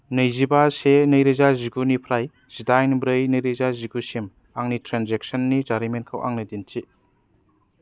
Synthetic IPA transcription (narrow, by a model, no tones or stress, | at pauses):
nɯjzibasenɯjɾezaziɡunipʰɾaj | z̥idajnbɾɯjnɯjɾezaziɡusim | aŋnitʰɾanzek̚sɐnːid͡ʒaɾimentkʰawʔa̰ŋnɯdint͡ʃi